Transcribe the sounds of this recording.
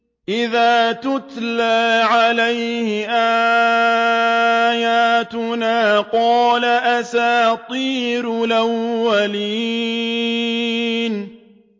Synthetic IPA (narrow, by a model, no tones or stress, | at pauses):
ʔɪðaːt̪ʊt̪laːʕalajhɪʔaː | jaːt̪ʊnaːqɑːlaʔasaːt̪ˤiːɾʊlawːaliː | n